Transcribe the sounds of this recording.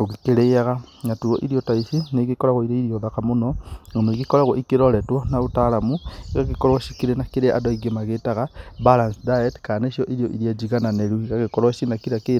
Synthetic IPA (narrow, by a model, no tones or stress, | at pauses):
oɣikeɾeaɣaŋatuɔʔiɾiɔtaisineɣekɔɾaɣoiɾeiɾiɔðakamonɔŋɡomoɣikɔɾaɣwɔʔikeɾɔɾɛtwɔnaotaɾamuɣaɣekɔɾwʃikiɾenakeɾeʔa̰dɔiɡemaɣetaɣabalansdaetkaneʃiɔʔiɾiɔʔiɾiad͡ʒiɣananeɾuiɣaɣekɔɾwaʃinakiɾake